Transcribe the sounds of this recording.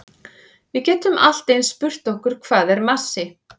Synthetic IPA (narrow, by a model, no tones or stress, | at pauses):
vɪðcɛːt̪ʏmʔa̰l̥t̪ejnspʏr̥t̪ɔhkʏɾ̥kʰv̥aːðɛɾmasːɪ